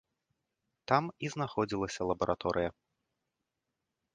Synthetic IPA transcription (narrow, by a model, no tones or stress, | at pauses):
t̪amiznaxɔd͡zʲilˠɐsʲɐlˠɐbɐɾʔat̪ɔɾʔɨjɐ